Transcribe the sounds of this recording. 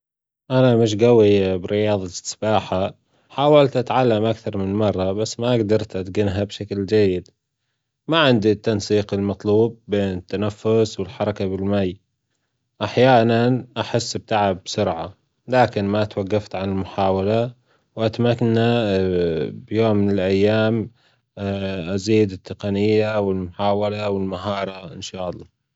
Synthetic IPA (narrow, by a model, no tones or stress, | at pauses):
ʔanamɪʃ̬ɡawibɪɾɪjɑːðˤɑsbaːħa | ħaːwalt̪ʔat̪ʕalːamʔakθɑɾˤmɪnmɑrˤːɑbasːmaʔaɡd̪ɑɾˤt̪ʔat̪ɡɪnɦabʃakld͡ʒajːɪd̪ | maʕɪnd̪it̪ːansiːqɪlmɑt̪ˤluːb̚ːeːnɪt̪ːanafːʊswɪlħɑɾˤɑkabɪlmajː | ʔaħjaːnanʔaħɪsːb̚t̪aʕɪbsʊɾʕa | laːkɪnmat̪waɡːaft̪ʕanɪlmʊħaːwala | wʔat̪makːana | bjoːmːɪnɪlʔajːaːm | ʔaziːd̪ɪt̪ːɪqɑnɪjːawɪlmʊħaːwalawɪlmaɦɑːɾˤɑʔɪnʃɑːʔɑlˤːɑː